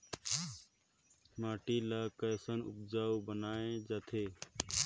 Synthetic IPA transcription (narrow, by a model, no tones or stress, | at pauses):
maːʈiːlaːkəsənʊ̰p̚d͡ʒaːuːbənaːẽːd͡ʒaːt̪ʰeː